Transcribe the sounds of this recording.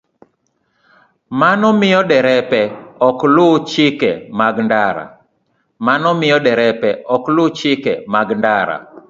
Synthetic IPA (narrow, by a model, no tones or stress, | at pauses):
manɔmɪjɔdɛɾɛpɛɔklʊt͡ʃɪkɛmaɡndaɾa̰ | manɔmɪjɔdɛɾɛpɛɔklʊt͡ʃɪkɛ̰maɡndaɾa̰